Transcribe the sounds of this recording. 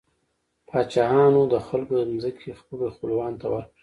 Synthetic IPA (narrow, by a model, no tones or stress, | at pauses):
pʰɑt͡ʃɑjɑnod̪əxalkod̪əmzəkʰexpəlexpəlwɑnt̪awaɾ